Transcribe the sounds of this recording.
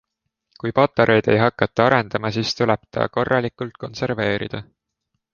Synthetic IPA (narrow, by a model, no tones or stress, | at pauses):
kujpɑt̪ːˑeɾʔe̞jd̪̥e̞̰jɦɑkːˑɑt̪ːˑɑɑɾe̞nd̪̥ɑmɑsiːst̪ulɛb̥t̪ɑ̰ːko̞rːɑlikːˑult̪̚ko̞nse̞ɾve̞ːɾid̪̥ɑ